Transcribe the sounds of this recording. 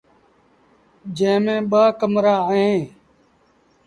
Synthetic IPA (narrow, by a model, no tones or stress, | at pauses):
d͡ʒẽːmẽːɓaːkəmɾaːɦẽː